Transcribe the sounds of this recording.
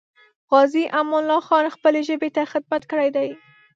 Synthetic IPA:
ɣɑziʔamɑnlɑxɑnxpəleʒəbet̪axɪd̪̚mat̪kəɽajd̪aj

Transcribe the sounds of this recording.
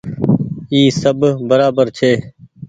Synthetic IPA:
iːsəbbəɾaːbəɾt͡ʃʰeː

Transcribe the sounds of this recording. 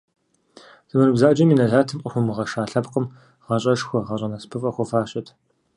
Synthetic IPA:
z̥ɨmɐnɨbzaːd͡ʒɐminɐɮaːtʰɨmʼɐxʷɔmɨʁɐʃaːɬɐbqəm | ʁɑɕʼɐʂxʷɔʁɐɕʼɐnɐspʰɨfʼɐxʷɔfaːɕʼɐtʰ

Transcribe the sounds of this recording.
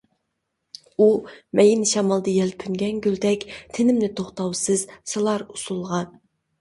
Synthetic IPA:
umɛjinʃɑmɑlˠd̪ɨjɛlpʰynɡʲɛnɡʲyld̪ɛkʲt̪ʰenɪmnɪt̪ʰoχt̪ɑwsɨz̥sɨlˠɑɾusulˠʁɑn

